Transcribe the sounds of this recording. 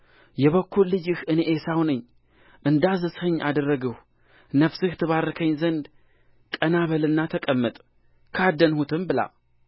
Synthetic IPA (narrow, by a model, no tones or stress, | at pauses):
jɛβəkːullɨd͡ʒɨhɨneʔesawnɨɲː | ʔɨnd̪azɨshəɲːʔa̰d̪ərːəɡəh | nəfsɨht̪ʰɨβaɾəkʰəɲːzənd̪ | kʼənaβəlɨnːat̪ʰəkʼəmːət̪ʼ | kʰad̪ənhut̪ʰɨmbɨla̰